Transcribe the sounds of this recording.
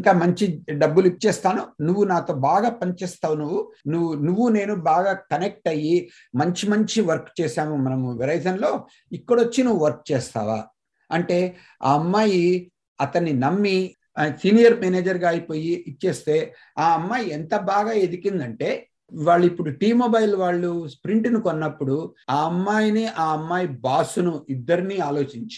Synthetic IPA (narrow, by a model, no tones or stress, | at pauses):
ŋt̪amɐɲt͡ʃiɖɐbːulip̚t͡ʃɛːst̪aːnunuʋːunaːt̪o̞ːbaːɡaːpɐnt͡ʃɛːst̪aːʋunuʋunuʋunuʋːune̞ːnubaːɡaːkɐnek̚ʈɐji | mɐɲt͡ʃimɐɲt͡ʃiʋɐɾkt͡ʃɛːʃaːmumɐnɐmuʋiɾɐjsɐnlo̞ː | ikːɐɽot͡ʃːinuʋuʋɐɾk̚t͡ʃɛːst̪a̰ːʋa̰ː | ɐɳʈe̞ː | a̰ːɐmːaːji | ɐt̪ɐnːinɐmːi | sinijɐɾmeːneːd͡ʒɐɾɡaːɐjipo̞ːjiit͡ʃːe̞ːst̪e̞ː | aːɐmːaːjient̪ɐbaːɡaːed̪ikind̪ɐɳʈe̞ː | ʋaːɭːuipːuɽuʈiːmoːbɐjilʋaːɭːuspɾiɳʈnikonːɐpːuɽuaːɐmːaːjiniʔaːɐmːaːjibaːsunuid̪ːɐɾiniaːlo̞ːt͡ʃiɲt͡ʃ